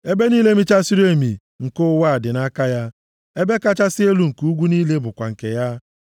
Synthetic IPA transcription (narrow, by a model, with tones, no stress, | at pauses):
e˦be˦niː˦le˦mi˦t͡ʃa˦si˦ɾe˦mi˨ | ŋ̩˨kʊ˦wa˦˨dɪ˨na˦ka˦ja˦ | e˦be˦ka˦t͡ʃa˦sɪ˦e˦lu˦ŋ̩˨ku˦ɡʷu˦niː˦le˦bʊ˨kʷa̰˨ŋ̩˨ke˨ja˦